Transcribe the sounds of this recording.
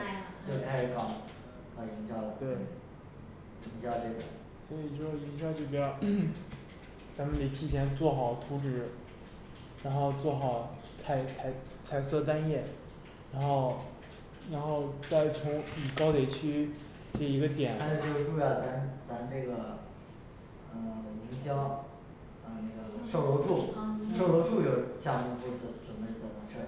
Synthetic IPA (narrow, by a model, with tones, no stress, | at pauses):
t͡ɕjo˥˧ʊt̪ʰa˥˩˥kʰɑ˨˧˩ | kʰɑ˨˩ŋi˧˥ŋɕjɑ˥˩ʊlə˩t̪we˥˩ɪ | i˧˥ŋɕjɑ˥˧ʊʈ͡ʂɤ˥˩ɡə̰˨˩˦ | swɔ˧˥i˨˩ʂɔ˥˩i˧˥ŋɕ̬jʊt͡ɕjo˥˩ʊp̬jɛ˧˥ɑ˨˩ʊ | t͡sa˧˥mə˨nt̪e˨˩t̪ʰi˥˩t͡ɕʰjɛ˧˥nt͡swɔ˥˩xɑ˨˩ʊt̪ʰu˧˥ʈ͡ʂɻ̩˨˧˩ | ɻa˧˥nxo˥˧ʊt͡swɔ˥˩xɑ˨˩˦ʊ | t͡sʰa˧˩ɪt͡sʰa˧˥ɪ | t͡sʰa˧˩ɪsɤ˥˧t̪̬a˥njɛ˥˩ | ɻa˧˥nxo˥˩ʊ | ɻa˧˥nxo˥˧ʊt͡sa˥˩ɪt͡sʰʊ˧˥ŋi˨˩kɑ˥ʊt̪jɛ˨˩t͡ɕʰy˥ | ʈ͡ʂi˧˥ɡə˧t̪jɛ˨˩n˥o˧˩o˥˧ʈ͡ʂu˥˧˩a˥˩t͡sa˧˥nt͡sa˧˥nne˥˩ɡə˩ | ə˧˩li˧˥ŋɕjɑ˥ŋ | ə˧ne˥˩ɡə˩ʂo˥˩lo˧˥ʊʈ͡ʂu˥˩ʂo˥˩ʊlo˧˥ʊʈ͡ʂu˥˧jo˨˧˩ʊɕja˥˩ni˧˥˩t̪wu˧˥˩t͡sʈ͡ʂwə˨˩nbe˧˥ɪt͡sə˨˩nmə˦ʂʰɤ˥˩